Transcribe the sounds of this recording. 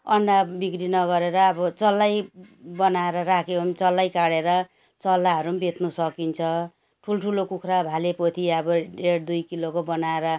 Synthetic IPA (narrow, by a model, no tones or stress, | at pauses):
ʌnɖabikɾinʌɡʌɾeɾʌːbʌt͡sʌlːajbʌnaeɾʌrakʰeont͡sʌlːajkaɽeɾʌ | t͡sʌlːaɦʌɾumbet̪nusʌkint͡sʰʌ | ʈʰulʈʰulokukʰrabʱalepot̪ʰiʌbʌɖeɽd̪ujkilokobʌnaeɾʌ